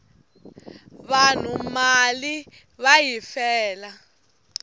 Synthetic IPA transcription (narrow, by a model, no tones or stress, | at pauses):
βan̤umali | βajifɛːla